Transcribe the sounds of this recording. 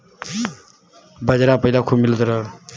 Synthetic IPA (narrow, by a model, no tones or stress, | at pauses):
bʌd͡ʒɾapʌilakʰumilt̪ʌɾʌ